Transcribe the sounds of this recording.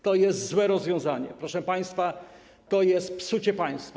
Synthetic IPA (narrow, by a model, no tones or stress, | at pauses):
t̪ɔjɛst̪zwɛɾɔzvʲjɔ̃w̃zaɲɛpɾɔʂɛpaj̃st̪fa | t̪ɔjɛst̪̚psut͡ɕɛpaj̃st̪fa